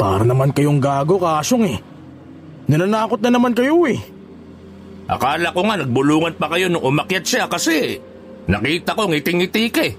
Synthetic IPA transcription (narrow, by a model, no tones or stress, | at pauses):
pa̰ːɾɐnɐmankɐjoŋɡaːɡo̞kɐaːʃoŋɛ | nɐnanaːko̞t̪̚nɐnɐmankɐjoɛ | ʔɐ̰kaːlɐko̞ŋanɐɡ̚bʊluːŋɐnpɐkɐjo̞nʊŋʔʊmɐkjat̪̚ʃakɐsɛ | nɐkiːt̪ɐko̞ŋɪt̪ɪŋɪt̪iːkɛ